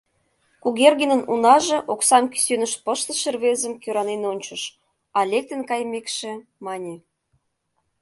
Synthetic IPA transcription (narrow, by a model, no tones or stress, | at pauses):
kuɣerɣenə̆nunɑʒĕʔoksɑmky̥sønə̆ʃpəʃt̪ə̆ʃĕrβezə̆mkøɾɑnenonʲt͡ɕə̆ʃ | ɑlʲek̚t̪ə̆nkɑjmekʃĕmɑnʲe